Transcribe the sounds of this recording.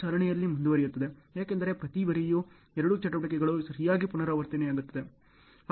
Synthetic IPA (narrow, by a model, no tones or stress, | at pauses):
aːɾɐɳɛjɐlːimund̪uʋɐɾijut̪ːɐd̪e̞jaːkend̪ɐɾe̞pɾɐt̪iʋɐɾiju | ɛɾɐɽut͡ʃɐʈːɐbɐʈikɛɡɐɭusɐɾijaːɡipunɐɾaːʋɐɾt̪ɐnɛjaːɡut̪ːɐd̪e